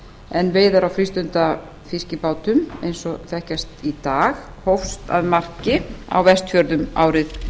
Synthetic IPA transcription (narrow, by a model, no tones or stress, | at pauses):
ɛnveːjðaɾawfɾist̪ʏnt̪a | fiscɪpaːwt̪ʏmḛjnsɔθɛhcast̪it̪aːx | howfst̪a̰ðmar̥cɪa̰wvɛst̪fjœɾðʏma̰ːwɾɪθ